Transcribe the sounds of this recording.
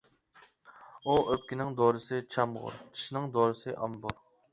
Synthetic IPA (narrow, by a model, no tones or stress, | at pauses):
uʔøp̚ʲkʲinɪŋd̪oɾɨsɨt͡ʃʰɑmʁʊ̰ɾt͡ʃʰi̥ʃnɪŋd̪oːɾɨsɨʔɑmbʊ̰ɾ